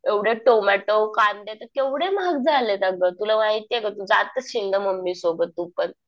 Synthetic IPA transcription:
eʋɽeʈomɛʈəwkand̪et̪əɾkewɽemaɡ̚d͡zalet̪aɡət̪ulaʋaɦit̪iekat̪ud͡za̰t̪ːəɕind̪əməmbisobət̪ːupən

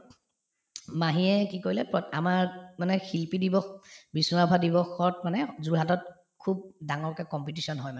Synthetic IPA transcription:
maɦiɛkikoɹilɛpɹɔtamaɹmanɛxilpidibɔxbisuŋabʱadibɔxɔt̚manɛzuɹɦatɔt̚ | kʰub̚daŋɔɹkɛkɔmpitisɔnɦɔjmanɛ

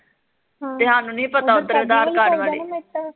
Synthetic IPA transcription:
t̪eːɦaːnũːnĩːpət̪aːod̪əɾʋɪd̪aːɾkaɖʋaːɽeː

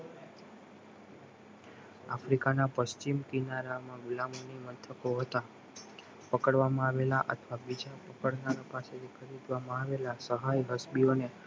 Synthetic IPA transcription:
afɾikanapəst͡ʃimkinaɾamãʋɪlamoniʋənt̪ʰəkoɦət̪a | pəkəɽʋamãaʋelaʔə̰t̪ʰʋabid͡ʒapəkəɽnaɾapaset̪ʰikʰəɾid̪ʋamãaʋelasəɦajɦəsbione

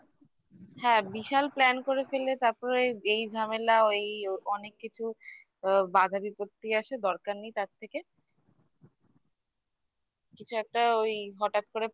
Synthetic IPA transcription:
hɛ̃biʃalplɛnkoɾefelet̪aɾpɔɾeejd͡ʑʱamelaoejɔnekːit͡ɕʰu | bad̪ʱabipot̪ːiaʃed̪ɔɾkaɾnijt̪aɾt̪ʰeke | kit͡ɕʰuɛk̚ʈaojɦɔʈat̪̚koɾe

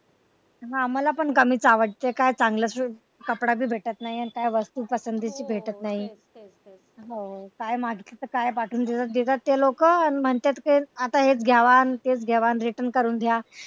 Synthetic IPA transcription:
ɦaamalapəɳkəmiːt͡saʋəʈ̚t̪ekajt͡saŋɡləsu | kəpɽabʱiːbʱeʈət̪naɦianikajʋəst̪uːpəsənd̪ʱit͡ɕiːbʱeʈət̪naɦi | ɦokajmaɡʱit̪et̪əkajpaʈʰuːnd̪ʱet̪at̪̚d̪et̪at̪ːelokəanim̤əɳt̪jet̪kiat̪aɦet͡sɡʱjaʋant̪et͡sɡʱɛʋanɾiʈənkəɾuːnd̪ʱja

